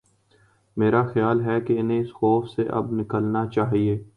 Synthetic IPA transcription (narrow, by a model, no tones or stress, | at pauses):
meːɾaxjaːlɦɛkeɪnɦẽɪsxɔːfseʔɐ̰b̚nɪkəlnat͡ʃaːɦieː